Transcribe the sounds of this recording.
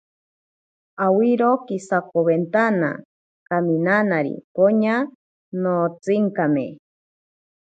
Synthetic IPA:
awiɾokisakoβent̪ana̰ | kaminanaɾḭkoɲa | not͡siŋkamḛ

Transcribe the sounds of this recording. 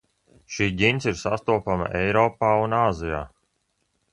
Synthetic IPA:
ʃiːɟinsiɾsast̪uɔpama̰ʔɛjɾɔːpaːunaːzija̰ː

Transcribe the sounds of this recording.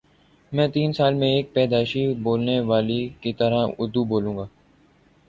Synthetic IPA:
mɛ̃ːt̪iːnsaːlmẽeːk̚pɛːd̪aːʃiboːlneʋaːlikit̪əɾaʊ̰d̪uboːlũːŋɡaː

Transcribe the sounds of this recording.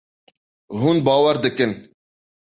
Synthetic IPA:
ɦuːnbɑːwɛɾd̪ɨkɨn

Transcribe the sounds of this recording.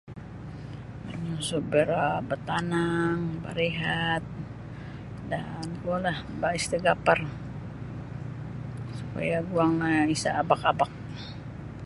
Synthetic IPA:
maɲasubəɾabət̪anaŋba̰ɾeɦat̪̚ | danɡualahbaist̪əɡapar | supa̰jaɡuaŋlaisa̰ːbakabak̚

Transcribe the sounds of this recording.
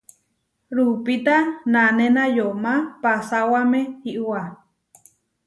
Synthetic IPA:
ɾupit̪ananenajomãpasawamẽiʔua

